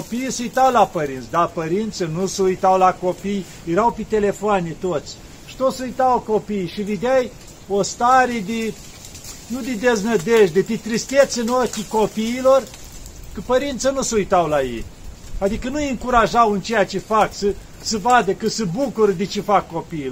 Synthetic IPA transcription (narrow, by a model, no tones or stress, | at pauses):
opiːsəujt̪awlapəɾint̪sʲd̪apəɾint̪sənusəujt̪awlakopij | jeɾawpet̪e̞lefoanʲit̪ot̪sʲ | ʃi̥t̪ot̪sujt̪awkopijʃived̪ɪaj | ost̪aɾed̪e | nud̪ed̪eznəd̪eʃd̪et̪et̪ɾist̪et̪sɨnokʲikopiːlor | kəpəɾint̪sənusəujt̪awlajḛj | ad̪ikənujɨŋkuɾaʒawɨnt͡ʃejat͡ʃefaksə | səvad̪əkəsəbukuɾəd̪et͡ʃefakːopiː